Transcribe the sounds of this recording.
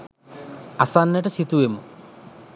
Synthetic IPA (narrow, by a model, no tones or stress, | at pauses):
ɐsaːnːɐʈɐsit̪uʋemṵ